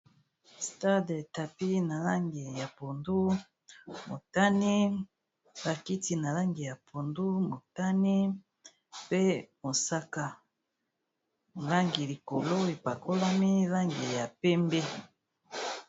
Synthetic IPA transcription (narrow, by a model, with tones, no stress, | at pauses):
sta˦de˨ta˨pi˦na˨la˦ŋɡi˨ja˨po˨ndu˦ | mo˨ta˦ni˦ | ba˨ki˦ti˨na˨la˦ŋɡi˨ja˨pʰo˨ndu˦mo˨ta˦ni˦ | pe˦mo˨sa˦ka˨ | la˦ŋɡi˨li˨ko˨lo˦e˨pa˨ko˦la˦mi˦la˦ŋɡi˨ja˨pɛ˦mbe˦